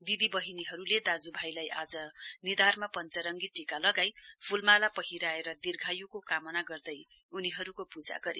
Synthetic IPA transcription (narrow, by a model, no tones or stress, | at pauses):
d̪id̪ibʌɦiniɦʌɾuled̪ad͡zubʱajlajʔad͡zʌnid̪armapʌnt͡sʌɾʌŋɡiʈikalʌɡajpʰulmalapʌɦiɾaeɾʌd̪irɡʱajukokamʌnaɡʌrd̪ʌj | uniɦʌɾukopud͡za̰ɡʌɾḭ